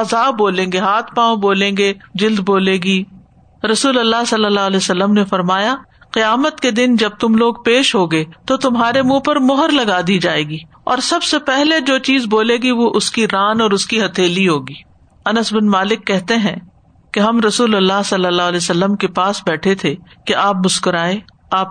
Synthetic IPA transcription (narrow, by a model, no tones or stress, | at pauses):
ɐzaːboːlẽːŋɡeɦaːt̪ʰpãːboːlẽːŋ̆ɡed͡ʒɪld̪boːleːɡi | ɾɐsuːlɐlːasɐlːəlːaːlesɐlːəmnefɐɾmaːjaqɪjaːmət̪ked̪ɪnd͡ʒɐb̚t̪ʊmloːɡpeːʃɦoɡɐet̪ot̪ʊmɦaːɾemũːpɐɾmʊɦəɾlɐɡaːd̪id͡ʒaːeːɡiː | ɔ̰ːɾsɐbsepɛɦled͡ʒoːt͡ʃiːzboːleːɡiʋoʔʊskiɾaːnɔːɾʊskiɦɐt̪ʰeːliɦoːɡiː | ɐnəsbɪnmaːlɪkːɛɦt̪eɦɛ̰̃ː | keɦɐmɾɐsuːlɐlːaɦsɐlːəlːaːlesɐlːəmkepaːsbɛːʈʰet̪ʰekeʔaːp̚mʊskʊɾaːe | aːp̚